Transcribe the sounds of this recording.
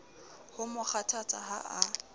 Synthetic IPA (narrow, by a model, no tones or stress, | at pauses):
hʊmʊk͡xʰatʰat͡sʼa̰ha̰ʔa